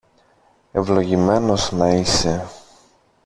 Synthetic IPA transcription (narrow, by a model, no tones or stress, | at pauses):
e̞vlo̞ʝime̞no̞znɐise̞